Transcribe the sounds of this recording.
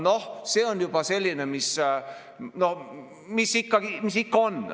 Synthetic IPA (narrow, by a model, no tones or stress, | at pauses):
no̞hse̞ːo̞njub̥ɑse̞lʲːinemis | no̞h | misikːɑɡ̥imisikːɑo̞n